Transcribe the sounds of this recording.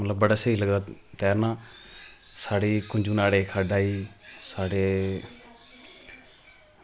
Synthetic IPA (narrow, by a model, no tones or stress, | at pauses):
mət̪ləbːəɽaːsəiːləɡaːt̪ɛːɾnãː | saːɽeːkʊɲd͡ʒuːnaːɽeːkʰaːɖaːiːsaːɽeː